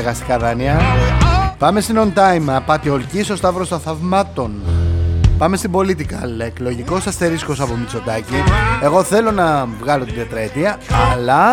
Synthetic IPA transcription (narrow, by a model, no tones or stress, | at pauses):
ɣɐst̪ikɐðɐniɐ | pɐme̞st̪ino̞nt̪ɐjmɐpɐt̪io̞lciso̞st̪ɐpɾo̞st̪ɐθɐvmɐt̪o̞n | pɐme̞st̪ibo̞lit̪ikɐleeklo̞ʝiko̞sɐst̪e̞ɾisko̞sɐpomit͡so̞t̪ɐcie̞ɣo̞θe̞lo̞nɐvɣɐlo̞t̪iðet̪ɾɐet̪iɐɐlɐ